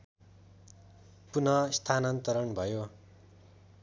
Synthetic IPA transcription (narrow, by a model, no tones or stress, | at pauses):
punʌst̪ʰanʌnt̪ʌɾʌɳbʱʌjo